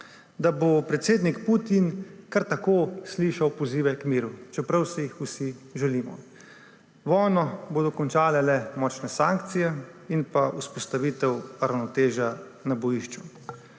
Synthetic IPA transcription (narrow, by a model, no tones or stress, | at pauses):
d̪abopɾɛt̪seːd̪nikput̪inkaɾt̪akoːsliːʃawpɔziːʋɛkmiːɾut͡ʃɛpɾawsɛjixusiʒɛliːmɔ̰ | ʋɔjnɔboːd̪ɔkɔnt͡ʃaːlɛlɛmɔːt͡ʃnɛsaːŋkt̪sijɛ | inpauspɔst̪aʋit̪ɛwɾawnɔt̪eːʒa | nabɔjiʃt͡ʃu